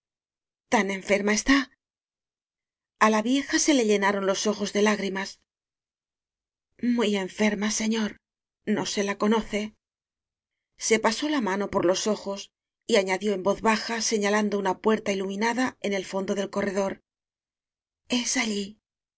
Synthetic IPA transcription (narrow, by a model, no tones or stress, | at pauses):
t̪anẽ̞ɱfe̞ɾmae̞st̪a | alaβje̞xase̞le̞ʎe̞naɾo̞nlo̞so̞xo̞zðe̞laɣɾimas | muje̞ɱfe̞ɾmase̞ɲo̞ɾ | no̞se̞lako̞no̞θe̞ | se̞paso̞lamano̞po̞ɾlo̞so̞xo̞s | iaɲaðjo̞e̞mbo̞θβaxase̞ɲaland̪o̞unapwe̞ɾt̪ailumĩnaðae̞ne̞lfo̞nd̪o̞ðe̞lko̞re̞ðo̞ɾ | e̞saʎi